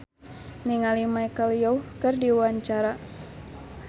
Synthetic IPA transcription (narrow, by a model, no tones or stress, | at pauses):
niŋalimajkəljouhkɨrdiwaɲt͡ʃaɾa